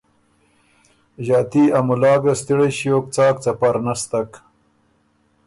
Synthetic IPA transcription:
ʑɑːt̪iamulɑːɡɐst̪iɽeɕjoːk̚t͡sɑːk̚t͡sɐpɐɾnast̪ak

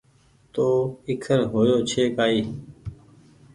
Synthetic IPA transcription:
t̪oːɪkʰəɾɦoːjoːt͡ʃʰeːkaːiː

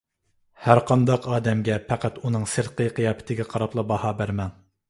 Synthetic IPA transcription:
hæɾqʰɑnd̪ɑqɑːd̪ɛmɡʲɛpʰæqæt̪unɨŋsɨɾqʰəjqʰɨjɑːpʰɪ̥t̪ʰɪɡʲiqʰɑɾɑplˠɑbɑhɑːbæɾmɛŋ

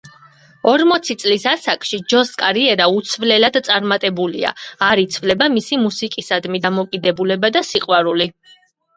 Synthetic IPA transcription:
ɔɾmɔt̪sʰit̪sʼlisasakʼʃid͡ʒɔskʼaɾiɛɾaut̪sʰvlɛlad̪̥t̪sʼaɾmat̪ʼɛbulḭa̰aɾit̪sʰvlɛbamisimusikʼisad̪mid̪amɔkʼid̪ɛbulɛbad̪asiqʼwaɾuli

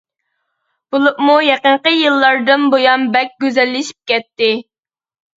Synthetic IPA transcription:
b̥ulˠupmujɛqəɴqəjɨlˠːɑɾd̪ɨnbojɑnbɛk̚ʲɡʲøzɛlːɪʃi̥p̚kʲɛt̪ːɪ

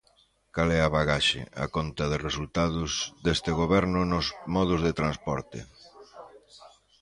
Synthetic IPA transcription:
kalɛaβaɣaʃɪ̰a̰kont̪ɐðɪresult̪aðʊzðest̪ɪɣoβ̞ɛɾnʊnʊzmɔðʊzðet̪ɾãnspɔɾt̪ɪ̰

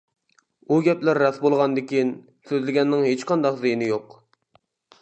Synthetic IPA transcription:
uɡʲɛplæɾːɑsbolˠʁɑnd̪ɪkʲin | søzlɪɡʲɛnːɪŋɦet͡ʃqɑnd̪ɑqzejinɪjoq

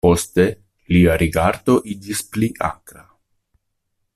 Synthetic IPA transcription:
po̞st̪e̞ | liaɾʔiɡaɾd̪o̞ʔid͡ʒispliʔa̰kɾa

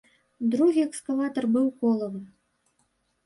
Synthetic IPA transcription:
d̪ɾuɣʲiɛkskɐlˠat̪ɐrbɨwkɔlˠɐvɨm

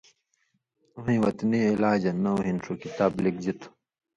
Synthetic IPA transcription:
uɦĩwɐt̪niilaːd͡ʑɐnɐuɦinʂukit̪aːblik̚d͡ʑit̪ʰu̥

